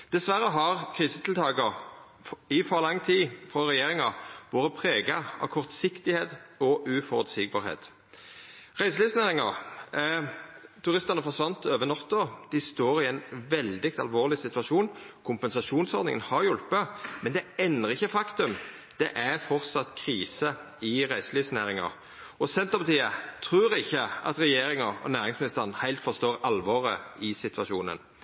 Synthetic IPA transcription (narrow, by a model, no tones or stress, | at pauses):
d̪̥ɛsʋæɾːəɦɑʁkʰʁiːsə̥t̪ʰɪlt̪ʰɑːɡə | ɪfɔɾlɑŋːt̪ʰiːfɾɔʁɛjeːʁɪŋɑʋoːʁəpʰʁeːɡɑɑ̰kʰɔʁt̪sɪkt̪ɪheːt̪ɔʔʉfɔʁʉt̪siːɡ̚bɑ̰ːʁhḛːt̪ | ʁæɪsliːfsnæːʁɪŋɑʁ | t̪ʰʉʁɪst̪əʁnəfɔʁsʋɑnt̪øːʋənɔt̪ːɔd̪̥ɪst̪oːɾɪɛnʋɛld̪ɪk̚t̪ɑ̰lʋoːʁlɪsɪt̪ʉʋɑʃuːnkʰʊmpɛnsɑʃuːnsɔʁd̪nɪ̰ŋənhɑʁjʊlpəmɛnd̪ɛɛnːəʁɪçːəfɑkt̪ʉm | d̪̥ɛʔæɾfɔʁt̪sɑt̪kʰʁiːsə | ɪʁæɪsliːfsnæːʁɪŋɑ̰ʁ | ɔsɛnt̪əpɑt̪ʰiːət̪ʰʁʉːɾɪçːəʔɑ̰t̪ʁɛjeːɾɪŋɑɔ̰næːʁɪŋsmɪnɪst̪əʁnhæɪlt̪fɔst̪oːʁɑlʋɑːʁəɪsɪt̪ʰʋɑʃuːnə̰n